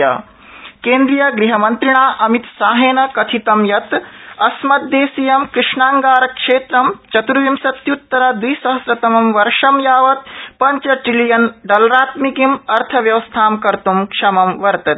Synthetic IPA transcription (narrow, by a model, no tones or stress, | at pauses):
ɐ̰ | keːnd̪ɾijɐɡɾiɦɐmɐnt̪ɾiɳaːʔɐmit̪saːɦeːnɐkɐt̪ʰit̪ɐmjɐt̪ɐsmɐt̪̚d̪eːsijɐmkɾɪʂɳaːŋɡaːɾɐkʂeːt̪ɾɐmt͡ʃɐt̪uɾʋimsɐt̪jut̪ːɐɾad̪ujsɐɦɐsɾɐt̪ɐmɐmʋɐɾʂɐmjaːʋɐt̪̚pɐɲt͡ʃɐʈilijɐnɖɐlɾaːt̪mikimɐɾt̪ʰɐʋjɐʋɐst̪ʰaːmkɐɾt̪umkʂɐmɐmʋɐɾt̪ɐt̪